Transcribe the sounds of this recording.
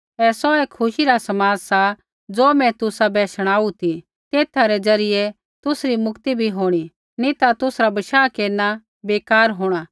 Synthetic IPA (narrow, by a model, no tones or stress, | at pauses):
ɛːsɔeːkʰːʊʃiɾasɐmaːd͡zsa | d͡zoːmɛ̃t̪ʊsabɛːʃəɽ̃aːut̪ʰi | t̪eːt̪ʰaɾɛd͡zɐɾɪjɛ | t̪ʊsɾimʊkt̪ibʱiɦoːɽ̃i | nĩt̪at̪ʊsɾabɐʃaːkeːɾna | beːkaːɾɦoːɽ̃aː